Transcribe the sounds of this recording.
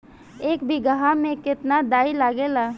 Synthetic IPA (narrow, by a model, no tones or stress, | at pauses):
eːkbʱiɡəɦamẽkɪt̪nad̪aːilaːɡelaː